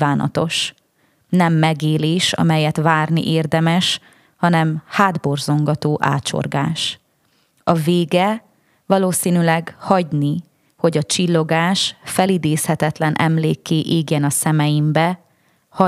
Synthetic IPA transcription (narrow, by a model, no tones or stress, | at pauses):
vaːnɒ̰t̪o̞ʃ | nɛmːɛɡeːleːʃɒ̰mɛjɛt̪ʋaːrnḭʔeːrd̪ɛmɛʃ | hɒnɛmhaːd̪bo̞rzo̞ŋɡɒt̪oːʔa̰ːt͡ʃo̰rɡaːʃ | ɒveːɡɛ | vɒloːsinylɛɡhɒɟni | ho̞ɟɒt͡ʃilːo̞ɡaːʃfɛlid̪eːshɛt̪ɛt̪lɛnʔɛ̰mleːkːeːʔeːɡɛnɒsɛmɛjimbɛ | hɒ